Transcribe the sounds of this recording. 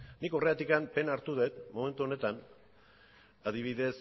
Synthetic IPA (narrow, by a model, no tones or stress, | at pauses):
niko̞re̞at̪ikampe̞naɾt̪uðe̞t̪mo̞me̞nt̪uo̞ne̞t̪an | aðiβ̞iðe̞s